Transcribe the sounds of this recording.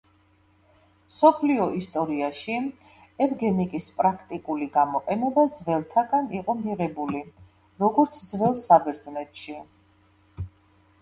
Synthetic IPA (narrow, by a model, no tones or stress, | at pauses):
msɔpʰliɔist̪ʼɔɾiaʃi | ɛvɡɛnikʼispʼɾakʰt̪ʼikʼuliɡamɔqʼɛnɛbad̪zvɛlˠt̪ʰaɡaniqʼɔmiɾɛbuli | ɾɔɡɔɾt̪sʰd̪zvɛlˠsabɛɾd̪znɛt̪ʰʃi